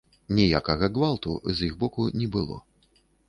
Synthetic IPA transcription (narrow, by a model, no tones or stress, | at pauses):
nʲɛjakɐɣɐɡvalˠt̪ṵzjiɣbɔkunʲɛbɨlˠɔ̰